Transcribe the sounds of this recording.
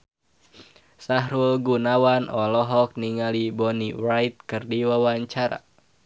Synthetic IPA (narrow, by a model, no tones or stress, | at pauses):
saɦɾulɡunawanɔlɔɦɔk̚niŋalibɔnirajt̪̚kɨrdiwawaɲt͡ʃaɾa̰